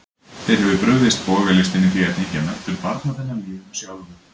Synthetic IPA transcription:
θejɾ̥hɛvʏpɾʏwðɪst̪̚pɔɣvɛlɪst̪ɪnɪθiɛt̪nɪçɛnːat̪ʏɾpaɾt̪naθɛnːami̥ːsjawðʏn

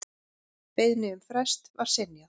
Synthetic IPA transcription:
peːjðnɪʏmfɾɛst̪vaɾ̥sɪnja

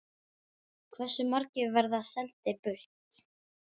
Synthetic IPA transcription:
kʰvɛsːʏmaɾcɪvɛɾðasɛlt̪ɪpʏh̪t̪

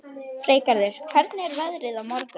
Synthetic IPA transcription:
fɾeːjkaɾðɪɾ̥kʰvɛɾt̪nɪɛɾvɛðɾɪðawmɔɾkʏ

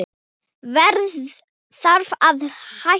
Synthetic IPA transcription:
ɪ | vɛɾð | θaɾvaðha

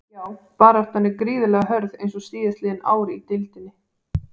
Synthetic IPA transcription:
jaːwpaːɾaft̪hanːɪkɾiːðʏlɛɣaɦœɾðejnsɔst̪iːðast̪lɪːðɪna̰ːwɾɪit̪ɪlt̪ɪnːɪ

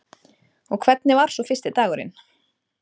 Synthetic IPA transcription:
ɔɣkʰvɛt̪nɪvaɾ̥sɔfɪst̪ɪt̪aːɣʏɾɪ̰n

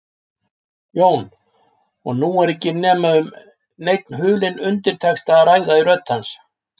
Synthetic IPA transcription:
joːwn | ɔɣnuɛɾɛcːɪnɛːmaʏm | nejt̪nɦʏːlɪnʏnt̪ɪɾ̥t̪ʰɛxst̪araːjðairœt̪ːhans

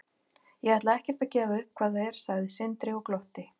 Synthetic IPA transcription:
jɛɣvaht̪laðɛhcɛɾ̥t̪aðcɛːvaʏhp̚kʰvaːðaðɛɾ̥saɣðɪsɪnt̪ɾɪɔklɔht̪ɪ

